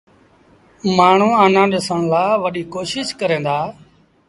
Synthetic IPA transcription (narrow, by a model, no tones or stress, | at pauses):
maːɳ̤ũːaːnãːɗɪsəɳ̃laːʋəɗiːkoːʃɪʃkəɾẽːd̪aː